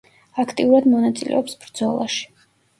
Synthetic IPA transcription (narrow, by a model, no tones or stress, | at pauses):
akʰt̪ʼiuɾad̪mɔnat̪sʼilʔɛ̰ɔpsb̥ɾd̪zɔlˠaʃi̥